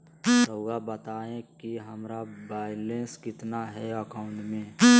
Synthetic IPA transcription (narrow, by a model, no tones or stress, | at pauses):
oːɡabət̪aːẽkiɦɐmɾabaːɪlẽnskɪt̪naɦɛəkaʊ̃ɳʈmẽ